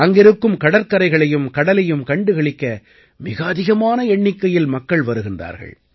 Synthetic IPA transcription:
ɐŋɡɪɾɯkːɯmkɐɽɐɾkɐɾɐɪɣɐɭɐjɯmkɐɽɐlɐjɯmkɐɳɖɯɣɐɭɪkːɐ | mɪɣɐːðɪɣɐmaːnɐɛɳːɪkːɐjɪlmɐkːɐɭʋɐɾɯɣɪndra̰ːɾɣɐ̰ɭ

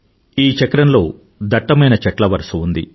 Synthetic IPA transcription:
iːt͡ʃɐkɾɐnlo̞ː | d̪ɐʈːɐmɐjnɐt͡ʃɛʈlɐʋɐɾsuund̪ḭ

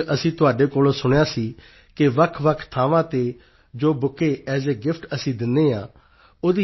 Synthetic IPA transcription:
əsĩːt̪ʊaːɖeːkoːlosʊɽ̃jaːsiː | kɪʋəkʰʋəkʰt̪ʰaːʋãːt̪eː | d͡ʒoːbʊkːeːɛːseːɡɪpʰʈəsĩːd̪ɪnːeːãː | oːd̪iː

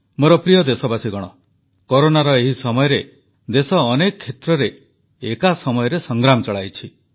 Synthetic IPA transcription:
moɾɔpɾijɔd̪esɔbasiɡɔɽ̃ɔ | kɔɾonaɾɔeɦisɔmɔjɔɾe | d̪esɔːnekɔkʰːet̪ɾɔɾeː | kasɔmɔjɔɾesɔŋɡɾamɔt͡ʃɔɭajt͡ʃʰi

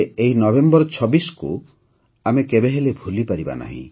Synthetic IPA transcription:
eɦinɔbembɔɾɔt͡ʃʰɔbisɔ̥kṵ | amekebeɦelebʱulipaɾiba̰na̰ɦḭ̃

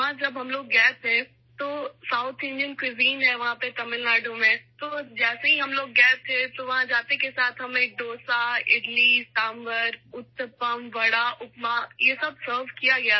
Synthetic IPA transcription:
ɦãd͡ʒɐbɦɐmloːɡːɛːpɦɛ̃ | t̪oːsaːʊt̪ʰɪ̃nɖijənkwɪziːnɦɛʋɐɦãpet̪ɐmɪlnaːɾɖõmẽt̪od͡ʒɛːseɦiɦɐmloːɡːɛːp̚t̪ʰẽt̪oʋɐɦãd͡ʒaːt̪ekesaːt̪ʰɦɐmeːk̚ɖ̪oːsaɪ̰ɖliʈaːmbəɾʊt̪ːəpəmʋɐɽaʔʊpmajesɐb̚səːɾʋkijaɡɐja

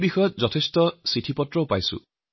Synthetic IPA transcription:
bixɔjɔt̪̚zɔtʰestɔsitʰipɔtɹɔpa̰jsṵ̃

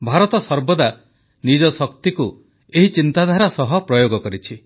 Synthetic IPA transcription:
bʱaɾɔt̪ɔsɔɾbɔd̪a | nid͡ʒɔsɔk̚t̪iku | eɦit͡ʃint̪ad̪ʱaɾasɔɦɔpɾɔjoɡɔkɔɾit͡ʃʰi

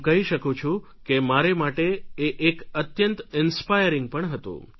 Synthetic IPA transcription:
kəɦiʃəkũt͡ʃʰũ | kemaɾemaʈeeʔːkət̪jənt̪ɪnspajəɾɪŋɡ̚pəɳɦət̪ṵ̃

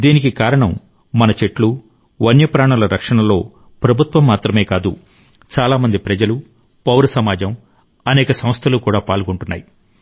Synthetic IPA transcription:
d̪iːnikikaːɾɐɳɐmː | ɐnɐt͡ʃeʈlu | ʋɐnjɐpɾaːɳɐlɐɾɐkʂɐɳɐlo̞ː | pɾɐbʱut̪ʋɐmːaːt̪ɾɐme̞ːkaːd̪u | t͡ʃaːlaːmɐnd̪ipɾɐd͡ʒɐlu | pɐwɾɐsɐmaːd͡ʒɐm | ɐnɛːkɐsɐmst̪ʰɐlukuːɽaːpaːɭkoɳʈunːa̰ːji

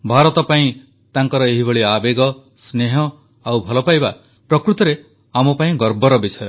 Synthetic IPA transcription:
bʱaɾɔt̪ɔpaĩ | t̪aŋkɔɾɔeɦibɔɭiabeɡɔ | sneɦɔ | awbʱɔlɔpajba | pɾɔkɾut̪ɔɾe | amɔpaĩɡɔɾbɔɾɔbisɔjɔ

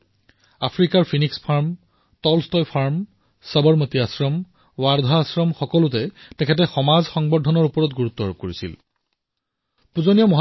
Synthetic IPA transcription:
apʰɹikaɹpʰinikspʰaɹm | tɔlstɔjpʰaɹm | sabɔɹmətiasɹɔm | waɹd̪ʱaːsɹɔmxɔkɔlʊt̬ɛtɛkʰɛt̬ɛxɔmazxɔŋbɔdʱɔnɔɹupɔɹɔtɡuɹutːɔɹoɡ̚koɹisḭl | puzonijɔmɔɦ

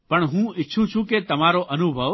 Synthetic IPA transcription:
pɐɳɦũːɪːʃʰũt͡ʃʰũket̪ɐmaːɾoʔɐnubʱəʋ

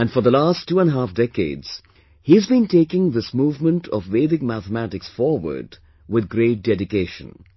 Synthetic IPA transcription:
æ̃nfə˞d̪əlastʰːuːə̃nɦæfdɛkḛɪdz̥ | hizbĩnteɪkɪ̃ŋðɪsmuːvmə̃ntʰɔ̰vːeɪðɪ̃ɡ̚mæθəmætɪksfɔɹwə̰˞d | wɪðɡɾeɪt̚dɛɾɪkeɪʃə̰̃n

